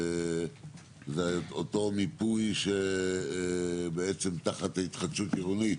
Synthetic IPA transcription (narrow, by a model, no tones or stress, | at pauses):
zeot̪o̞mipujʃe | beet͡se̞mt̪aχat̪hait̪χad̪ʃutiʁuni